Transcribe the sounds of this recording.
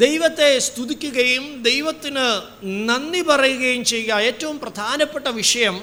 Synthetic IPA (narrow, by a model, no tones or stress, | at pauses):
d̪ejʋɐt̪ːe̞st̪ud̪ikʲːuɣɐjumd̪ejʋɐt̪ːinɨ | nɐnːipɐrɐjuɣɐjumt͡ɕe̞jɣɐeːtːɐʋumprɐd̪ʱaːnɐpːe̞ʈːɐʋiʂɐjɐm